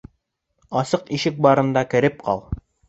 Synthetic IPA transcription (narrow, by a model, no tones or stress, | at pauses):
ɑsɤqiʃɘk̚bɑɾɤ̆nd̪ɑkɘ̆ɾɘp̚qɑ̰lˠ